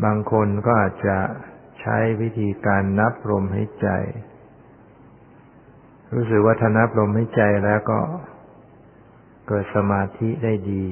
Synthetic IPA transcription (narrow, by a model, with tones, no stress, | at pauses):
baː˧ŋkʰo˧nkɔː˥˩ʔaː˨˩t̪̚t͡ɕa˨˩ | t͡ɕʰa̰˦˥jwi˦˥t̪ʰiː˧kaː˧nːa˦˥p̚ɾo˧mha̰˦˥˩jt͡ɕa̰˧j | ɾuː˦˥s̬ɯ˨˩k̚waː˥˩t̪ʰaː˥˩na˦˥p̚ɾo˧mha˦˥˩jt͡ɕa˧jlɛː˦˥wkɔ̰ː˥˩ | kɤː˨˩t̪̚sa˧maː˧t̪ʰi˦˥daː˥˩jdiː˧